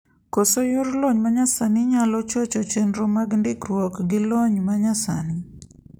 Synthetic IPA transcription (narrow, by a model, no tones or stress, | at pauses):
kosojʊɾloɲmaɲasanɪɲalɔt͡ʃot͡ʃɔt͡ʃenɾomaɡndɪkrwɔkɡɪloɲmaɲasa̰nɪ